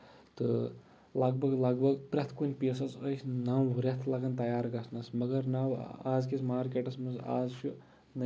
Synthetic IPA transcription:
t̪ɨ | lɐɡbʱɐɡlɐɡbɐɡpɾɐt̪ʰkunʲpʲeːsɐsəsʲnaːmʋuɾʲɐt̪ʰlɐɡɐnt̪ɐjaːɾɡɐsʰnɐsmɐɡɐɾnaːwaːzkismaːɾkʲeʈɐsmɐza̰ːzt͡ʃʰu | nɐ

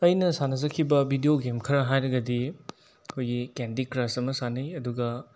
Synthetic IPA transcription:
ɐjnɐsanɐzɐkʰːibɐbʱidioɡemkʰɐɾɐɦajɾɐɡɐdi | ɐkʰojɡikendikɾasɐmɐsanɐjɐduɡɐ

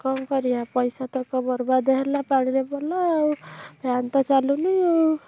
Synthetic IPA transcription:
kɔmkʌɾiɦapʌjsat̪ɔkɔbʌɾbad̪ɔɦeɾlapaɽ̃iɾebɔla | bʱjant̪ɔt͡ʃalunio

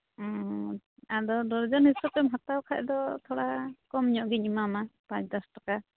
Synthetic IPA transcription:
ɔ̃ | adɔd̪ɔɾd͡ʒɔnisɔpɛmɦat̪awkʰaʔd̪ɔt̪ʰɔɽakɔmɲɔʔɡiɲimamapãt͡ʃd̪ɔsʈɔka

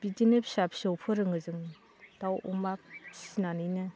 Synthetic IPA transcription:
b̥idinepsapsɔwpʰɯɾɯŋɯzɯŋ | d̥awʔumap̚sinanɯjnɯ

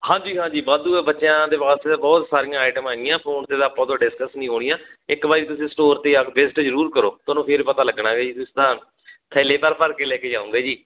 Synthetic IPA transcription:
hãːd͡ʒiːɦãːd͡ʒiːbaːd̪uːɛːbətːʃjãːd̪eːʋaːst̪eabɔːt̪saːɾijãːaːʈəmaɡɪjãːpʰoːnt̪eːd̪aːpãːt̪õːɖɪskəsnĩːɦoːɽɪjãːɪkbaːit̪ʊsĩːsʈoːɾt̪eːakbeːsʈeːd͡ʒəɾuːɾkəɾoːt̪onõːpʰɪɾpət̪aːləɡɳaːɡeːd͡ʒiːt̪ʊsid̪ãː | kʰɛːleːpəɾpəɾkeːlɛːkeːd͡ʒaːʊ̃ːŋɡeːd͡ʒiː

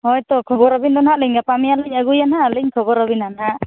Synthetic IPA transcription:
hɔjt̪ɔkʰɔbɔɾɔbindɔnaʔliɲɡapamijaliɲəɡujanaliɲkʰɔbɔɾɔbinanaʔ

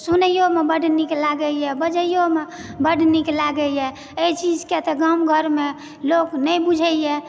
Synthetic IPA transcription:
sunəjomebəɖʱniklaɡəjɛbəd͡ʒəjome | bəɖ̤ʱniklaɡəjɛ | et͡ʃid͡ʒket̪ɔɡamɡʱəɾme | loknəjbud͡ʒʱəjɛ

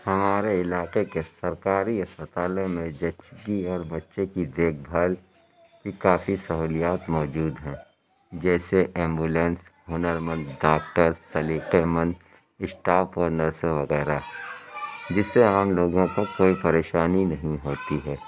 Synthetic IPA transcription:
hɐmaːɾeɪlaːqekesɐɾkaːɾiɦɐspət̪aːlõmẽd͡ʒɐtːt͡ʃɡiɔːɾbɐtːʃekid̪eːk̚ʰbʱal | kikaːfisɐɦuːlijaːt̪mɔːd͡ʒuːd̪ɦɛ̃ː | d͡ʒɛːseʔɛ̃ːmbuːlẽːnsɦʊnəɾmə̃nd̪ɖaːk̚ʈəɾsɐliːqemə̃nd̪ | ɪsʈaːpɔːɾnəɾseʋɐɣɛːɾaɦɛ | d͡ʒɪsːeaːmloːɡõkokoːipɐɾeːʃaːninɐɦĩɦoːt̪iɦɛː

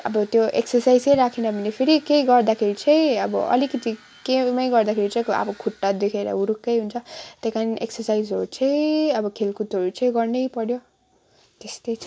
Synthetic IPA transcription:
ʌ̰bʌt̪joʔḛksʌrsajd͡zʌjɾakʰinʌbʱʌnepʰiɾikejɡʌrd̪akʰeɾit͡sʰʌj̃ʌ̰bʌ̰ʔʌ̰likʌt̪i | kemʌjɡʌrd̪akʰeɾit͡sʌjkʌ̰bʌkʰuʈːad̪ekʰeɾʌ̰uɾukːʌjɦunt͡sʰʌt̪ʌjkaniʔeksʌrsajd͡zoɾut͡sʰʌjʌbʌkʰelkut̪oɾut͡sʰʌ̃j̃ɡʌrnʌjpʌɽjo | t̪est̪ʌjt͡sʰ

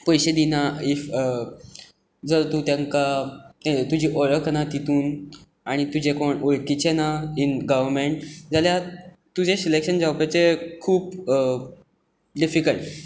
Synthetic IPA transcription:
pəjɕed̪inaif | d͡zəɾt̪uːt̪jãŋka | t̪ud͡ʑiːʔɔɭəknat̪it̪uːn | aɽ̃it̪ud͡ʑekoɳoɭkit͡ɕenainɡəʋəɾmeɳʈ̚d͡zalja | t̪ud͡ʑesilekɕənd͡zʱawpet͡sekʰuːp | ɖifikəɭʈ

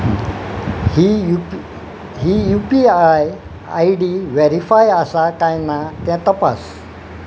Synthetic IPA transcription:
hiu | ɦijupiaj | a̰jɖiʋeɾifajəsakãjnat̪ãt̪əpa̰s

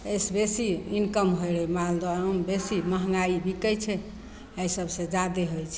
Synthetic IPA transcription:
ejsbesiinkəmɦojɾɛmald̪anumbesiməɦŋɡaibʱikəjt͡ʃʰɛ | əjsəbʱsẽd͡ʒad̪eɦojt͡ʃʰɛ̥

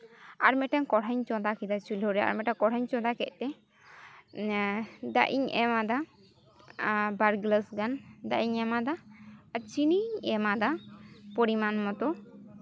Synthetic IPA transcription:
aɾmɛʈankɔɽʰaɲt͡ʃɔd̪akid̪at͡ʃulɔɾɛa̰ɾmɛʈakɔɽʰaɲt͡ʃɔd̪akɛʔ̚t̪ɛ | d̪aʔḭɲɛ̰mad̪a | baɾɡləsɡand̪aʔiɲɛmad̪aːɾt͡ʃiniɲɛmad̪apoɾimanmɔt̪ɔ

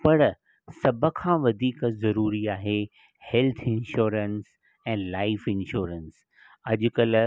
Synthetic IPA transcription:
pɐɽ | sɐbʱə̆kʰãːʋɐd̪ʱiːkzɐɾuːɾiaːɦe | hɛlt̪ʰɪ̃nʃuːɾəns | ɛ̃ːlaːɪfɪnʃuːɾəns | ɐʄʊ̆kɐl

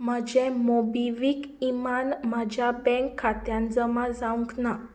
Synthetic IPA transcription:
məd͡ʑẽmobiʋikimanmad͡ʑʱjabɛ̃ŋkʰːat̪jand͡zəmad͡zauŋkna

